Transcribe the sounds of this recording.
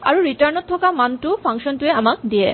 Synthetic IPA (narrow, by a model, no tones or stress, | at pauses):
a̰ɹuɹitaɹnɔt̪ʰːɔkamantupʰaŋʃɔntueamak̚d̪ie